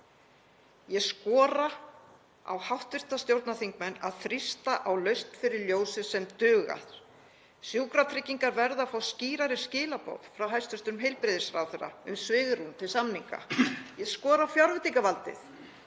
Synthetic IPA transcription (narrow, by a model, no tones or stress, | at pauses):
jɛskɔːɾa | a̰whawht̪vɪr̥t̪ast̪jowɾt̪naθiŋkmɛnːaðθɾɪst̪aʔawlœɥst̪fɪɾɪɾljoːwsɪsɛmt̪ʏːɣa̰θ | sjuːkɾat̪ʰɾɪcːiŋkaɾvɛɾðafawsciːɾaɾɪ̥scɪːlapo̰ːð̥fɾawɦajst̪ʏst̪ʏɾʏmɦejlpɾɪðɪsɾawθɛɾa̰ʏ̰msvɪːɣɾunt̪ʰɪlsamniŋka̰jɛskɔːɾaawfjawɾvɪt̪iŋkavalt̪ɪ̰θ